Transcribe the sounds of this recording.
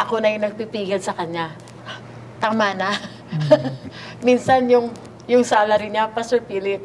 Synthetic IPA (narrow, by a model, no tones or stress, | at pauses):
ʔɐko̞nɐjʊŋnɐɡ̚pipiːɡɐlsɐkɐɲa | t̪ɐmaːna | minsɐnjʊŋ | jʊŋsaːlɐɾɪnɲapɐsɛɹpiːlɪp̚